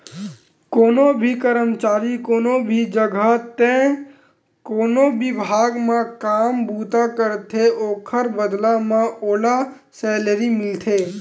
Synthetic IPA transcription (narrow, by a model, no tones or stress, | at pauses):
koːnobʱikəɾəmt͡ʃaːɾikoːnobʱid͡ʒəɡʱat̪ẽ | koːnobɪbʱaːɡmãkaːmbuːt̪akəɾt̪ʰeoːkʰəɾbəd̪lãmãʔoːla | sɛːləɾimɪlt̪ʰeː